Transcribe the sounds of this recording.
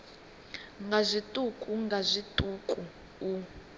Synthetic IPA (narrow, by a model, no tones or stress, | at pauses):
ŋɡazʷitʼukʼuŋɡazʷitʼukʼu | u